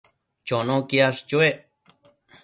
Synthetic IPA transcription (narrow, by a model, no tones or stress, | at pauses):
t͡ʃonõkiaʂt͡ʃueʔ